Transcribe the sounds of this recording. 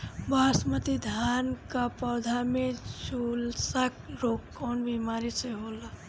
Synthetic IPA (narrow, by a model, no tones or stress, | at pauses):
baːsmət̪id̪ʱaːnkapɔːd̪ʱamẽʃulsak̚ɾoːkkːɔːnbiːmaːɾiseɦoːla